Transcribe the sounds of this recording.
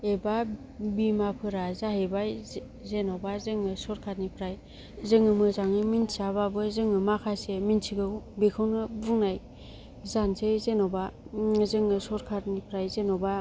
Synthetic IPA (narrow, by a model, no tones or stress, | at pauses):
eba | bimapʰɯɾazaɦebaj | zenɔbazɯŋɯsɔɾkʰat̚nipʰɾaj | zɯŋɯmɯzaŋɯminsaβabɯzɯŋɯmakʰaseminsʰiɡɯbikʰɯwnɯbɯŋnaj | zansezenɔbazɯŋɯsɔɾkʰat̚nipʰɾajzenɔba